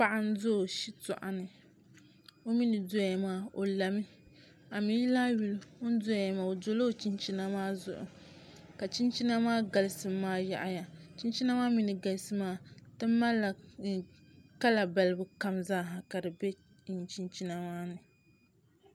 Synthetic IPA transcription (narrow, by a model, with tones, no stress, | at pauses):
pa˦ʔa˦n̩˦zo˦˨ʃi˦tʊ̰˨ʔa̰˨nɨ˨ | o˦mi˦nɨ˨do˦a˨maː˦o˨la˨mi˦ | a˨mi˦ji˦laː˦ɥu˨ln̩˦do˦a˨ja˨maː˨o˨do˦lo˦˨t͡ʃi˦nt͡ʃi˦na˦maː˦zʊ̰˨ʔʊ̰˨ka˨t͡ʃi˦nt͡ʃi˦na˦maː˦ɡa˨lɨ˦sɨ˨mːaː˦ja̰˨ʔa˨ja˨t͡ʃi˦nt͡ʃi˦na˦maː˦mi˨nɨ˨ɡa˨lsɨ˦maː˦tɨ˦mː˦a˦lːa˨ | ka˦la˨ba˨lɨ˦bɨ˨ka˦mzaː˦˨ɦa˨ka˨dɨ˨be˦˨ | nt͡ʃi˦nt͡ʃi˦na˦maː˦nɨ˨